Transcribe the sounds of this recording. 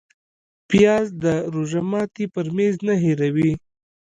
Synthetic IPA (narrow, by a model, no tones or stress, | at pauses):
pjɑzd̪əɾoʒamɑt̪ipəɾmeznaɦeɾawi